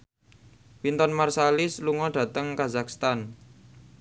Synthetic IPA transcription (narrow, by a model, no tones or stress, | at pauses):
wint̪ɔnmarsalɪsluŋɔɖ̥ä̤t̪əŋkazakst̪an